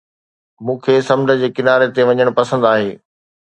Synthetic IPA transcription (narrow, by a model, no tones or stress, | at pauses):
mũːkʰeːsɐmdə̆d͡ʑeːkɪnaːɾet̪eʋɐɲəɽ̃pɐsə̃nd̪aːɦeː